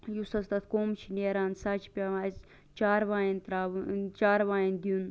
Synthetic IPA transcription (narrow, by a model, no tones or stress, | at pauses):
jusɐst̪ɐt̪ʰkoːmt͡ʃʰineːɾaːnsɐt͡ʃʰpʲams | t͡ʃaːɾʋaːint̪ɾaːʋut͡ʃaːɾʋaːind̪iun